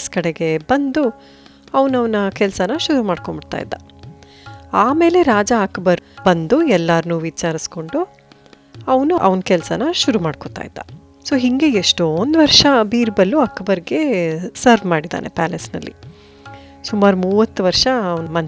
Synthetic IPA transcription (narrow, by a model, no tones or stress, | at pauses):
skɐɽe̞ɡe̞bɐnd̪u | ɐʋnɐʋɐnɐkɛlsɐnɐʃuɾumaːɖkobiɽt̪a̰ːjḭd̪ːa | aːme̞ːle̞ɾaːd͡ʒaːkɐbɐɾbɐnd̪uɛlːaːɾnuːʋit͡ʃaːɾisko̞ɳɖu | ɐʋɐnuʔɐ̰ʋɐnkɛlsɐnɐʃuɾumaːɖkot̪a̰ːjid̪ːɐ | soːɦiŋɡe̞eʂʈoond̪uʋɐɾʂɐbiːɾbɐlːuɐkːɐbɐɾɡe̞sɐɾʋmaːɽid̪a̰ːnʔe̞pæːlesnɐlːḭ | sumaːɾumuːʋɐt̪ːuʋɐɾʂɐɐʋnmɐn